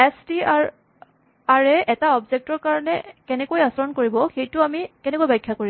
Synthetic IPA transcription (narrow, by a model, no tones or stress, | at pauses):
ɛstia | aɹɛʔɛtaɔbzek̚tɔɹkaɹɔnɛkɛnɛkojasɔɹɔnkoɹibɔxejtʊamikɛnɛkojbajkʰːakoɹi